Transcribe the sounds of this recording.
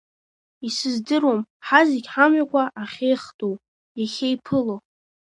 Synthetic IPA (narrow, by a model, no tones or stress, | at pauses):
isɨzdɨɾwo̞mħaziɡʲħamɥakʷʰaʔaχʲejχtʼow | aχʲejpʰɨlo